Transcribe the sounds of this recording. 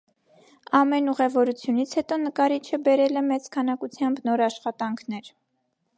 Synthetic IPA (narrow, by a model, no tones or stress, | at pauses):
ɑmɛnuʁɛvɔɾut͡sʰjunit͡sʰhɛt̪ɔnəkɑɾit͡ʃʰəbɛɾɛlɛmɛt͡skʰɑnɑkut͡sʰjɑmbnɔɾɑʃχɑt̪ɑŋkʰn̪ɛɾ